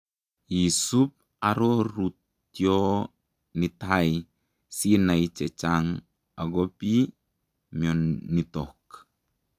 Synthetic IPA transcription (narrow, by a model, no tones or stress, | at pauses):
jisup̚ | aɾoɾut | jo | nit̪aj | sinajt͡ʃɛt͡ʃaŋ | aɡopi | miɔnːit̪ɔk